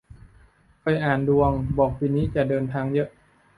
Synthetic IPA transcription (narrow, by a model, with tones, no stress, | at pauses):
pa˧jʔaː˨˩ndu˧əŋbɔː˨˩k̚piː˧niː˦˥t͡ɕa˨˩dɤː˧nt̪ʰaː˧ŋjɤ˦˥ʔ